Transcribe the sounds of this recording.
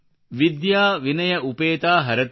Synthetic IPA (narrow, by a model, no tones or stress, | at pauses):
ʋid̪jaːʋinɐjɐʔupeːt̪aːɦɐɾɐt̪